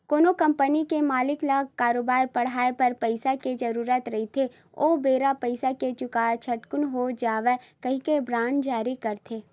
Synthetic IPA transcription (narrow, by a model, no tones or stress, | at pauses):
koːnokɐ̃mpənikemaːlɪklaɡkaːɾoːbaːɾpɐɽ̤aːepɐɾpəɪsaked͡ʒɐɾuːɾət̪ɾɐɦit̪ʰe | oːbeːɾapəɪsaket͡ʃʊkaːɾt͡ʃʰɐʈkʊnɦod͡ʒaːʋe | kɐɦĩkebɾãːnd͡ʒaːɾikɐɾt̪ʰeː